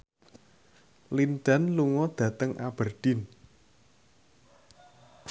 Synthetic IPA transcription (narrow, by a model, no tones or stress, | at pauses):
lind̪̥a̤nluŋɔd̪̥ä̤t̪əŋʔa̰b̥ərd̪̥ɪ̤n